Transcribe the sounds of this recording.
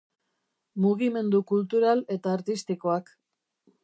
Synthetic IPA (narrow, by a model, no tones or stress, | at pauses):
muɣ̞ime̞nd̪ukult̪uɾale̞t̪aːɾt̪ist̪iko̞ak